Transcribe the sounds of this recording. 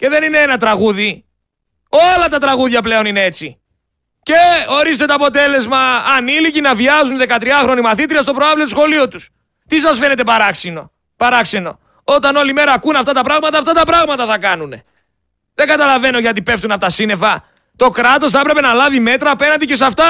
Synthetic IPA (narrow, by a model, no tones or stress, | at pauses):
ce̞ðe̞nineenɐt̪ɾɐɣuði | o̞lɐt̪ɐt̪ɾɐɣuðʝɐp̬le̞o̞nine̞e̞t͡si | ce̞o̞ɾist̪e̞t̪o̞ɐpo̞t̪e̞le̞zmɐːnilicinɐviɐzunðe̞kɐt̪ɾiɐxɾo̞nimɐθit̪̬ɾiɐst̪opɾoɐvlit̪usxo̞lio̞t̪us | t̪isɐsfe̞ne̞t̪e̞pɐɾɐksino̞ | pɐɾɐkse̞no̞̰ | o̞t̪ɐno̞lime̞ɾɐːkunɐft̪ɐt̪ɐpɾɐɣmɐt̪ɐːft̪ɐt̪ɐpɾɐɣmɐt̪ɐθɐkɐnune̞ | ðe̞ŋɡɐt̪ɐlɐve̞no̞ʝɐt̪ipe̞ft̪unɐpot̪ɐsine̞fɐ | t̪o̞kɾɐt̪o̞s̬θpɾe̞pe̞nɐlɐvime̞t̪ɾɐːpe̞nɐnd̪icesɐft̪ɐ